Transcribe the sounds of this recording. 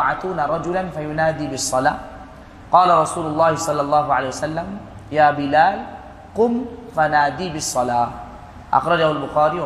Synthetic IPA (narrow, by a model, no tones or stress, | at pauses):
ʕat̪uːnaɾˤɑd͡ʒʊlanfajʊnaːd̪iːbɪsˤːɑlaː | qɑːlaɾˤɑsuːlʊlˤːɑːhɪsˤɑlːɑlˤːɑːɦʊʕaleːhjwasalːam | jaːbɪlaːl | qʊmfanaːd̪iːbɪsˤːɑlaː | ʔɑ̰xɾˤɑd͡ʒahʊalbʊxaːɾiːw